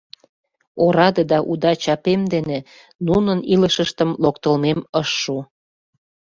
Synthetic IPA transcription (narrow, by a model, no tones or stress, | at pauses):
oɾɑd̪ed̪ɑʔud̪ɑt͡ɕɑpemd̪ene | nunəniləʃəʃt̪əmlokt̪əlmeməʃːu